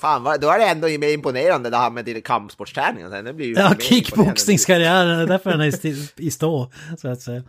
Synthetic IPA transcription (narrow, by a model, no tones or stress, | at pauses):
fɑːnʋɑd̪ɔæɖɛɛnd̪ɔmɛɪmpʊneːɾand̪əd̪ɛhæɾmɛd̪ɪnkʰampsbɔʈːʂt̪ʰɾæːnɪ̰ŋə̰nsɛ̰d̪ɛbliɾjɑːkʰɪkːbɔksnɪŋskʰaɾɪæːɾənd̪ɛd̪æɾfœɾɛnæt̪ɪst̪oːsɔat̪sɛjːa